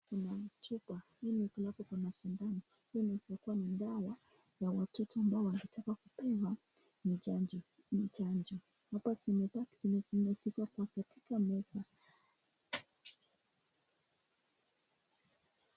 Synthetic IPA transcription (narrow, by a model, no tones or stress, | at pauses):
kunatupahinikulapɔkwamaʃindani | hiinasiɔkuwanindawa | jawatɔtɔambaɔwaŋɡitʰakakupɛwa | mid͡ʒad͡ʒ | mit͡ʃand͡ʒɔ | hapasimɛtakizinɛzinɛsikakwakatikamɛsa